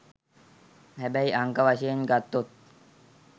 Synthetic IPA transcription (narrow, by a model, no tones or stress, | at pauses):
hæbæiʔaŋkəʋaʃeːnɡat̪ːot̪̚